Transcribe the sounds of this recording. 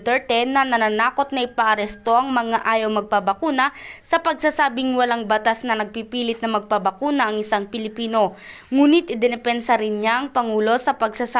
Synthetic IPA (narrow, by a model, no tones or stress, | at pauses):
t̪ɛɹt̪ɛnːɐnɐnaːnaːko̞t̪̚nɐʔɪpɐʔɐɾɛst̪o̞ʔɐŋmɐŋaʔaːjowmɐɡ̚pɐbɐkuːnɐsɐpɐɡsasaːbɪŋwɐlaŋbɐt̪asnɐnɐɡ̚pipiːlɪt̪nɐmɐɡ̚pɐbɐkuːnɐʔɐŋɪsaŋpɪlɪpiːno̞ | ŋuːnɪt̪ʔɪd̪ɛnɛpɛnsɐɾɪnɲaʔɐŋpɐŋuːlo̞sɐpɐɡsasa